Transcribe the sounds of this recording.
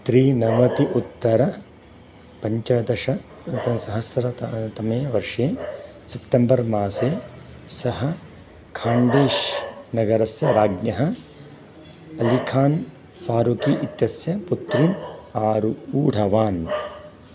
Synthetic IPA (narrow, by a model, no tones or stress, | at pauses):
t̪ɾiːnɐʋɐt̪iʔut̪ːɐɾɐ | pɐɲt͡ʃaːd̪ɐʃɐ | ɐsɐɦɐsɾɐt̪ɐmeːʋɐɾʂeː | sepʈembɐɾmaːseː | sɐɦɐ̆ | kʰaːɳɖeːʃnɐɡɐɾɐsjɐɾaːɡnjɐɦɐ | ɐlikʰaːn | faːɾukiʔit̪jɐsjɐput̪ɾinaːɾuuːɽʱɐʋaːn